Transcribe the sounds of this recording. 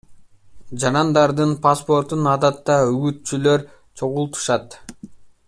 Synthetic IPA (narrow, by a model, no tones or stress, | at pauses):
d͡ʒɑɾɑnd̪ɑɾd̪ɯnpaspo̞ɾt̪unɑd̪ɑt̪ːɑyɡyt̪t͡ʃylø̞ɾ | t͡ʃʰo̞ʁulˠt̪u̥ʃɑt̪